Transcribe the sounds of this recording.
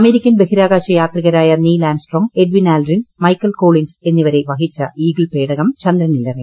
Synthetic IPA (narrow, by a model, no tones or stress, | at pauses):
ɐme̞ːɾikʲːɐnbe̞ɦiɾaːɡaːɕɐjaːt̪riɣɐɾaːjɐniːlaːnɖsʈroːŋɡe̞ɖʋinaːlrinmɐjkːɐlko̞ːɭinse̞nːiʋɐɾe̞ʋɐɦit͡ɕːɐiːɡɭpeːɽɐɣɐmt͡ɕɐnd̪ɾɐnilːɐri